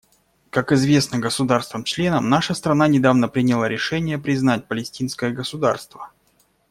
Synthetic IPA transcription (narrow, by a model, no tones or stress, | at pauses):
kakɪzvʲe̞snəɡəsʊd̪arst̪vəmt͡ɕlʲe̞nəmnaʂəst̪ɾɐnanʲɪd̪avnəpɾʲɪnʲɪlˠaɾʲʔɪʂɛnʲɪjəpɾʲɪznat̚ʲpəlʲɪsʲtʲinskəjəɡəsʊd̪a̰rst̪və